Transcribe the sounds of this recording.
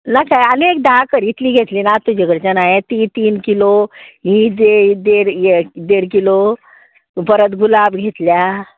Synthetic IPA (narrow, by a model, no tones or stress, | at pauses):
nakajənek̚d̪akəɾit̪liːɡʱet̪linat̪ːud͡ʑeɡəɽt͡ɕanajet̪iːt̪iːnkiloɦĩd̪ed̪eɽd̪eɽkilo | bəɾət̪ɡʱulabɡʱet̪lja